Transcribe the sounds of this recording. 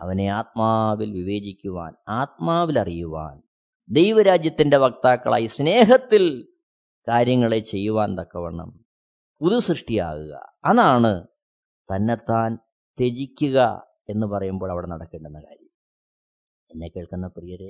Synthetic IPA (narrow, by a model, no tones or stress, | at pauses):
ɐ̰ʋɐne̞aːt̪̚maːʋilʋiʋe̞ːd͡ʑikʲːuʋa̰ːnaːt̪̚maːʋilɐrijuʋa̰ːn | d̪ejʋɐɾaːd͡ʑjɐt̪ːinde̞ʋɐk̚t̪aːkːɐɭa̰ːjɐsne̞ːɦɐt̪ːil | kaːɾjɐŋːɐɭet͡ɕe̞jːuʋaːnd̪ɐkːɐʋɐɳɐ̰m | puðusrɨʂʈija̰ːɣṵɣɐ̰ɐðaːɳɨ | t̪ɐnːe̞t̪ːaːn | t̪e̞d͡ʑikʲːuɣɐ̰ | e̞nːɨpɐrɐjumbo̞ːɭɐʋiɽe̞nɐɽɐkːeːɳɖenːɐka̰ːɾjɐm | enːekːeːɭkunːɐprijɐɾe